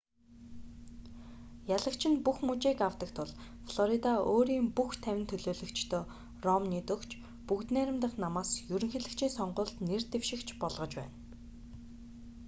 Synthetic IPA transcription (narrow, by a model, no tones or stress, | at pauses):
jaɮə̆kt͡ɕʰɪ̆npuxmut͡ɕeːkaw̥t̪ə̆kt̪ʰʊɮ | fɮɔɾit̪aoːɾiːmpuxt̪ʰæwʲɪ̆nt̪ʰɵɮoːɮɵ̆kt͡ɕʰt̪ʰoː | rɔmniːt̪ɵkt͡ɕʰ | pukt̪næːɾʲɪ̆mt̪ə̆χnamaːsjɵɾɵ̆ŋxeɮɘ̆kt͡ɕʰiːnsɔɴɢʊːɬt̪nert̪ewʃɪ̆kt͡ɕʰpɔɮʁɞ̆t͡ɕpæ̰ːn